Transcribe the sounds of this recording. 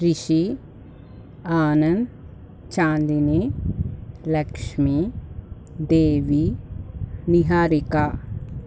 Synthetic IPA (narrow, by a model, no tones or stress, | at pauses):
ɾiʃi | aːnɐ̃nd̪ | t͡ʃãːnd̪ine | lɐkʃmi | d̪eːʋi | niɦaːɾikaː